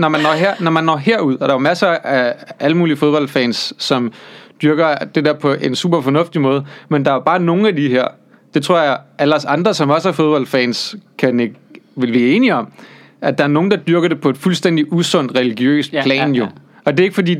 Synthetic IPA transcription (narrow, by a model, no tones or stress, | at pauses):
nɒmænːɒ̰ɦeɐ̰nɒmænːɒ̰ɦeɐ̰uð̞̰ˠɒd̥ɑ̈jomæsɐæʔæləmuːliəfoðˠb̥ɒ̽ld̥fɛ̰ːnsːɒ̽md̥ɶɐɡ̥ɐd̥e̝d̥eɐ̰pʰɒ̽ʔe̝nsṵːb̥ɐfɒ̽nɔ̽fd̥imɔ̽ːð̞ˠmend̥ɑ̈æob̥ɑ̈ːno̝ːn̩æd̥iɦeɐ̰ | d̥e̝t͡sʰʁo̝ɐ̰jɑɪʔælɐsɑ̈nd̥ʁɐsɒ̽mɒ̽sæɐfo̝ð̞ˠb̥ɒ̽l̰̥fɛːnskʰæneɡʋe̝lʋæːe̝ːniɒ̽m | æd̥ɑ̈æɐno̝ːn̩d̥ɑ̈d̥yɐɡ̥ɐɾ̥e̝pʰɒ̽e̝d̥fulsd̥en̰d̥iʔusɔ̽n̰d̥ʁɛliɡ̥jø̰ːspʰlɛ̰ːnjo̝ | ɒ̽d̥e̝e̝ɡ̥fɒ̽d̥ḭː